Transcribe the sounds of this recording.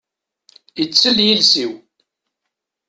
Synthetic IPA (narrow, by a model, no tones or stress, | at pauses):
jət͡sːəljilsiw